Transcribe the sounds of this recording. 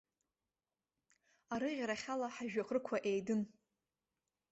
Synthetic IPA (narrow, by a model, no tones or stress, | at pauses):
aɾɨʁʲɾaχʲalaħaʒᶣaχrɨkʷʰaʔejdɨn